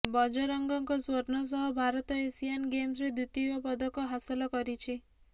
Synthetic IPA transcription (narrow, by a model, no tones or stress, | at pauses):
bɔd͡ʒɔɾɔŋɡɔŋkɔswɔɾnɔs̬ɔɦɔbʱaɾɔt̪ɔesianɡems̬ɾed̪ut̪iɔpɔd̪ɔkɔɦasɔlɔkɔɾit͡ʃʰi